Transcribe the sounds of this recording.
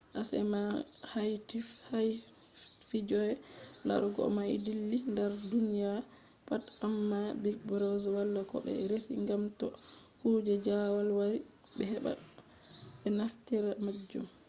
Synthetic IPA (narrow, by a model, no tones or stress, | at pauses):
ʔasɛ̰mahajtifhaj | fid͡ʒɔjɛla̰ɾuɡɔ̰majdilːindaɾdunija | patamːabilkbɾɔzɔwalːakɔ̰ɓɛ̰ɾesiŋɡamtɔ | kud͡ʒɛd͡ʒawalwaɾi | ɓɛhɛɓa̰ | ɓɛnaftiɾamad͡ʒːṵm